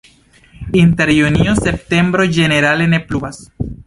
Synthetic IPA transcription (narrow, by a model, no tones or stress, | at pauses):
inte̞ɾjuniose̞p̚te̞mbɾo̞d͡ʒe̞ne̞ɾale̞ne̞plubas